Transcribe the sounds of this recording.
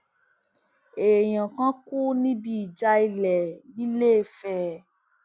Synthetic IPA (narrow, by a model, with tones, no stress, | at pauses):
e˨j̃ã˨kã˦ku˦nĩ˦bi˦i˨d͡ʒa˧i˧lɛ˨i˦le˦˨fɛ˦